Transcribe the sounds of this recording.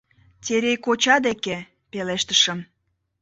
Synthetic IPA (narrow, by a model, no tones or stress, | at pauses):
tʲeɾejkot͡ɕɑd̪eke | peleʃt̪ə̥ʃəm